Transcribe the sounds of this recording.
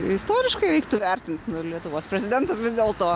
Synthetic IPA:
ɪst̪oːɾʲɪʃkɐɪɾʲɛɪkt̪ʊʋʲɛɾʲt̪ʲɪnʲt̪ʲnʊlʲiɛt̪ʊʋoːspʲɾʲɛzʲɪd̪ʲɛnt̪ɐsʋʲɪzd̪ʲeːlˠt̪oː

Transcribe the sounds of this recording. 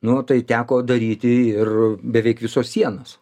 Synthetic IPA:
nʊot̪ɐɪt̪ʲæːkoːd̪ɐɾʲiːt̪ʲɪɪrbʲɛʋʲɛɪkʋʲɪsoːssʲiɛnoːs

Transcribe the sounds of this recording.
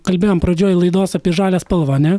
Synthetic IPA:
kɐlʲbʲeːjoːmpɾɐd͡ʒʲoːjɪlˠɐɪd̪oːsɐpʲiɛʒɑːlʲeːspɐlˠʋoːɐnʲɛ

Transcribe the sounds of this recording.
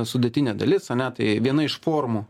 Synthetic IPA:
sʊd̪ʲɛt̪ʲɪnʲɛd̪ɐlʲɪsɐnʲɛt̪ɐɪʋʲiɛnɐɪʃfoːrmu

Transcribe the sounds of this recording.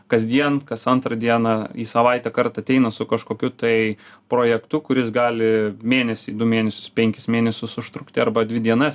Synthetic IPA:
kɐzʲd̪ʲiɛnkɐsɐnt̪ɾɐd̪ʲiɛnɑiːsɐʋɐɪt̪ʲɛkɐɾt̪ɐt̪ʲɛɪnɐsʊkɐʃkoːkʲʊt̪ɐɪpɾoːjɛkt̪ʊkʊɾʲɪsɡɑːlʲɪmʲeːnʲɛsʲɪd̪ʊmʲeːnʲɛsʲʊ̥spʲɛŋʲkʲɪsmʲeːnʲɛsʲʊsʊʃt̪ɾʊkt̪ʲɪɐɾbɐd̪ʲʋʲɪd̪ʲiɛnɐs

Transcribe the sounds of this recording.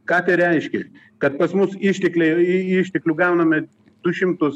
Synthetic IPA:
kat̪ʲeɾʲaːjiʃkʲḛ | kɐt̪̚pɐsmusiʃt̪ʲeklʲejiiːʃt̪ʲeklʲuɡaːwnɐme | t̪uʃimt̪os

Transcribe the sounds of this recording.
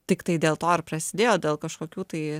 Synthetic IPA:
t̪ʲɪkt̪ɐɪd̪ʲeːlˠt̪oːɐɾpɾɐsʲɪd̪ʲeːjoːd̪ʲeːlˠkɐʃkoːkʲuːt̪ɐɪ

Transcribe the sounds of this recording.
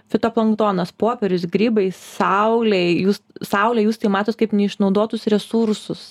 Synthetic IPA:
fʲɪt̪oplˠɐŋkt̪oːnɐspoːpʲɛɾʲʊsɡɾʲiːbɐɪsɐʊlʲɛɪjuːssɐʊlʲɛːjuːst̪ɐɪmɑːt̪oːt̪̚kɐɪpnʲɛɪʃnɒʊd̪oːt̪ʊsɾʲɛsuɾsʊs

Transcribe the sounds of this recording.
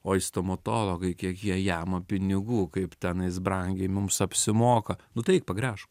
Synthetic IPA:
oːɪst̪omɐt̪oːlˠoɡɐɪkʲiɛkjiɛjæmɐpʲɪnʲɪɡuːkɐɪpt̪ʲɛnɪsbɾɐŋʲɡʲemʊmsɐpʲsʲɪmoːkɐnʊt̪ɛɪk̚pɐɡɾʲæːʃ

